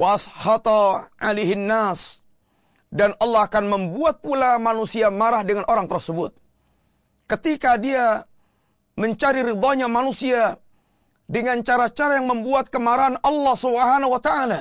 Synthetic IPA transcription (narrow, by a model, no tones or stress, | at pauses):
washɑt̪ɑʔaleɦɪnːas | danɑlːɑhakanməmbuat̪̚pulamanusiamaɾahdəŋanʔoɾaŋt̪ərsəbʊt̪̚ | kət̪ikadia | məɲt͡ʃaɾiɾid̪ɔɲamanusia | dəŋant͡ʃaɾat͡ʃaɾajaŋməmbuat̪̚kəmaɾaɦanɑlːɑhsubɦanawat̪aala